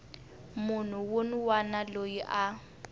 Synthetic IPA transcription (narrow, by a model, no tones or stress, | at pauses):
mʊn̤uwonwanalojiʔa